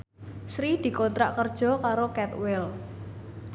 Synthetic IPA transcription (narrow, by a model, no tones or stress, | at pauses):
sɾid̪̥i̤kont̪ɾaʔkərd̥ʒ̥ɔ̤kaɾokɛt̪wɪl